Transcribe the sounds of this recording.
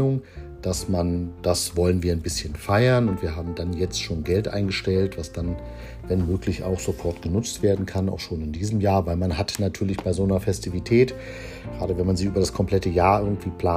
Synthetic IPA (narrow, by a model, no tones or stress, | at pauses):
ʊŋ | d̥asmand̥asvɔlənviːɐaɪnbɪsçənfaɪɐnʊntv̥iːɐɦaːbm̩danjɛt͡stʃoːnɡɛltʔa̰ɪnɡəʃtɛltv̥asd̥an | vɛnmøːklɪça̰ʊxz̥ofɔɐtɡ̥ənʊt͡stv̥eːɐdn̩kʰana̰ʊxʃoːnɪndiːzəmjaːɐvaɪlmanɦatnatʰyːɐlɪçb̥aɪzoːnɐfɛstivitʰɛːt | ɡ̥ʁaːdəvɛnmanzɪçʔyːbɐdaskʰɔmpl̥ɛtəjaːɐʔɪɐɡŋ̩tv̥iːpl̥aː